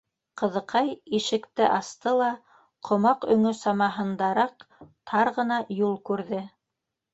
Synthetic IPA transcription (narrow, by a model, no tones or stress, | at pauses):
qɤ̆ðɤ̆qʰɑjiʃɘ̆kt̪ɘʔɑst̪ɤlˠɑ | qʰŏmɑqɵ̆ŋɵsɑmɑɦɤ̆nd̪ɑɾɑqt̪ʰɑɾʁɤ̆nɑjulˠkʉɾðɘ